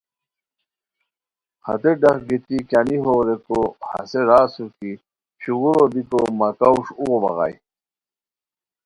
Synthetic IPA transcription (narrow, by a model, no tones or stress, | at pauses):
hɐ̰t̪eɖɐχɡit̪ikjaniɦoɾekohɐ̰seɾaːsuki | ɕuɣuɾod̪ikomakauʂuɣobɐ̰ɣɑ̰j